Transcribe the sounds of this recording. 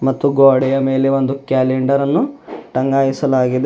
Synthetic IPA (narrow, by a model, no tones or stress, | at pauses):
mɐt̪ːuɡoːɽɛjɐme̞ːleʋo̞nd̪ukjaːleɳɖɐɾɐnːuʈɐŋɡaːjisɐlaːɡid̪e